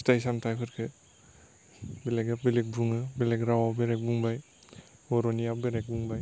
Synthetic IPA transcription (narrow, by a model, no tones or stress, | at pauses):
stajsamtʰajpʰɯɾkʰɯ | beleɡabelek̚buŋɯbelekɾawabeɾek̚buŋbaj | ɔɾonijabeɾek̚buŋbaj